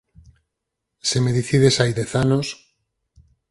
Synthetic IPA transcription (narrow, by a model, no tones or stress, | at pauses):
semeðiθiðesajðeθanos